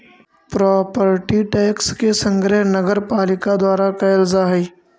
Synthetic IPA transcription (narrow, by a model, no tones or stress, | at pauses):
pɾɔːpəɾʈiʈɛːkskesɐ̃ŋɡɾɛɦnɐɡəɾpaːlɪkad̪waːɾakɐɪlzaɦɛiː